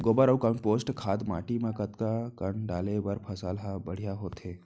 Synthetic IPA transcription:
ɡoːbəɾəwkəɳpoːsʈkʰaːd̪ma̰ːʈimãkət̪kakəɳɖaːlebəɾpʰɐsaːlɦabɐɽ̤ijaɦoːt̪ɦeː

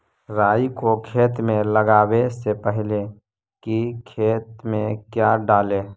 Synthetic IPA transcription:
ɾaːikokʰeːt̪mẽləɡaːwesepəɦle | kikʰeːt̪mẽkjaɖaːleː

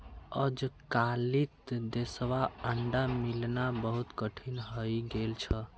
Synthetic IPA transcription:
əd͡ʒkalit̪d̪esʋaəɳɖamilnabəɦut̪kəʈʰinɦəjɡelt͡ʃʰə

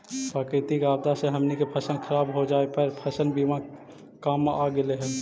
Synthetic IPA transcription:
paːkɪt̪ikaːb̚d̪aseɦəmnikepʰəsənkʰəɾaːbɦod͡ʒaːepəɾpʰəsənbiʋã | kaːmaːɡɪleɦɛː

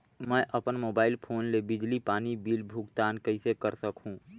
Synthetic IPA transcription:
mɛ̃ːʔɐpənmoːbaːɪlpʰoːnlebɪd͡ʒlipaːnibiːlbʱʊɡt̪aːnkɐɪsekəɾsəkɦũː

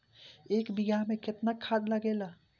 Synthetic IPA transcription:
eːkbɪɡamẽkɪt̪nakʰːaːd̪laɡeːlaː

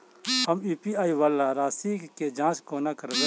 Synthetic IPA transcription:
həmiːpiaːiʋalːaɾaːsiked͡ʒãːt͡ʃkoːnakəɾd̪e

